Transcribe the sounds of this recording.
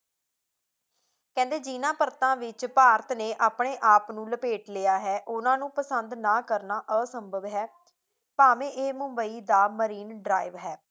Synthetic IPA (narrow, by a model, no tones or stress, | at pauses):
kɛ̃ːnd̪eːd͡ʒiːnãːpəɾt̪ãːʋɪt͡ʃpaːɾət̪neːʔaːpɳeːʔaːpnũːləpeːʈleːaːɦɛːʔʊnãːnũːpəsənd̪naːkəɾnaːʔəːsəmbəʋɦɛː | paːmẽːʔeːmʊmbəiːd̪aːməɾiːnɖɾaːɪʋɦɛː